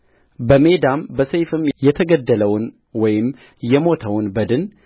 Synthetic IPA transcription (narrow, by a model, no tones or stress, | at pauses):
bəme̞d̪ambəsəjfɨmjɛt̪ʰəɡəd̪ːələwʊn | wɔjɪm | jɛmo̞t̪ʰəwʊnbəd̪ɨn